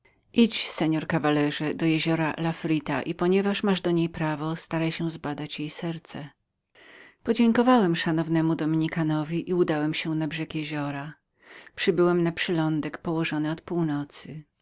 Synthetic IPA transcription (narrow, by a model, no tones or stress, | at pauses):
ʔit͡ɕsɛɲɔɾkavalɛʐɛd̪ɔjeʑɔɾalafɾit̪aʔipɔɲɛvaʂmaʐd̪ɔɲejpɾavɔst̪aɾajɕɛ̃zbad̪at͡ɕjejsɛɾt̪sɛ | pɔd͡ʑeŋkɔvawɛmʂanɔvnɛmud̪ɔmʲiɲikanɔvʲiʔiud̪awɛmɕɛnabʐɛkjeʑɔɾa | pʂɘbɘwɛmnapʂɛlɔnd̪ɛkpɔwɔʐɔnɘɔt̪puwnɔt̪sɨ